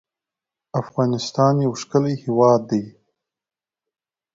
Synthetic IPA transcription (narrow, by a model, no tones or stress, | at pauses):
afɣɑnɪst̪ɑnjawʂkəlajhewɑːd̪ːaj